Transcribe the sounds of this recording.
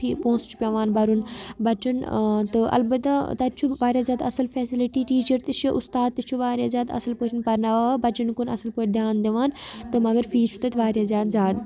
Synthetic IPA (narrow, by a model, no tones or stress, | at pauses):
ipõːst͡ʃʰu̥pʲjɐʋaːnbɐɾunbɐt͡ʃɐnt̪ɨʔɐ̰lbɐt̪at̪ɐt̪ʲt͡ʃʰuʋaːɾʲjaːzʲjaːd̪ɐsɨlfeːsiliʈiːʈiːt͡ʃəɾt̪ɨt͡ʃʰiʔust̪aːd̪̚t̪ɨt͡ʃʰuʋaːɾjaːzʲjaːd̪ɐ̰sɨlpəːt͡ʃʰinpɐɾnaʋaːbɐt͡ʃɐnkunɐ̰sɨlpəːʈʰʲd̪ʱʲjaːnd̪eʋaːnt̪ɨmɐɡəɾfiːt͡ʃʰu̥t̪ɐt̪ʰʲʋaːɾʲjaːzʲjaːd̪zʲjaːd̪